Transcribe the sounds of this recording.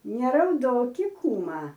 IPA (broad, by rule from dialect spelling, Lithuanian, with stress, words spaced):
nʲɛrɐʊˈdoːkʲɪ ˈkuːmɐ